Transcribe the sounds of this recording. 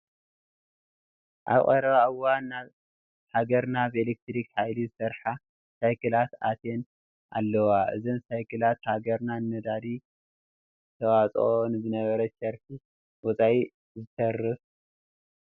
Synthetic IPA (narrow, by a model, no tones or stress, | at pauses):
ʔa̰βχʼɐɾɐβaawːanːaβ | haɡɐɾnaβelek̚t̪ɾikħajlizɨsɐɾħa | sajkʰɨlat̪at̪ʰen | ʔa̰lːɐwaʔɨ̰zɨnsajkʰɨlat̪haɡɐɾnanːɐd̪ad̪i | ɨt̪ʰɐwat͡sʼonbɨnɐβɐɾɐt̪t͡ʃɐɾfʰi | wɔt͡sʼai | zɨt̪ʰɐrːɨf